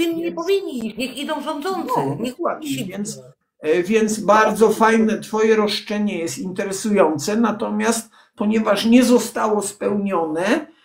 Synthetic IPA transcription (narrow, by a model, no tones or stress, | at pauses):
t̪ɨmɲɛpɔvʲiɲːiiɲixid̪ɔ̃w̃ʒɔ̃nd̪zɔnt̪sɔɛkwad̪ɛvʲjɛnt̪s | vʲjɛnt̪sbaɾd̪zɔfajnɛt̪fɔjɛɾɔʂt͡ʂɛɲɛjɛst̪int̪ɛɾɛsujɔnt̪sɛnat̪ɔmʲjast̪̚ | pɔɲɛvaʂɲɛzɔst̪awɔspɛwɲɔnɛ